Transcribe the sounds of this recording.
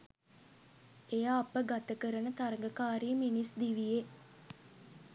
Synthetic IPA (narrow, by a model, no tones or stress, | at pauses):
ejaːpəɡat̪əkəɾənət̪aɾəŋɡəkaːɾijəminisd̪iʋije